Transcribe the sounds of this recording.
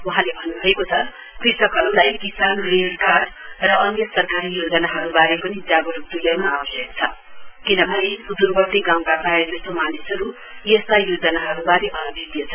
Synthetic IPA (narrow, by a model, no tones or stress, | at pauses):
wuɦãlebʱʌnːubʱʌekot͡sʰʌ | krisʌkɦʌɾulajkisanrelkaʈ | rʌʌnjʌsʌrkaɾijod͡zʌnaɦʌɾubaɾepʌnid͡zaɡʌɾup̚t̪ulawnaːbʌsjʌk̚t͡sʰʌkinʌbʱʌnesud̪urbʌrt̪iɡawkapaed͡zʌst̪omanisɦʌɾu | jest̪ajod͡zʌnaɦʌɾubaɾeʔʌnʌbʱid̪ijʌt͡sʰʌ